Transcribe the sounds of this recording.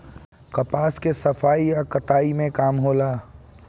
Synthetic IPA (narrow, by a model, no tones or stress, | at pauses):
kɐpaːskesɐfaːijakɐt̪aːimẽkaːmɦoːlaː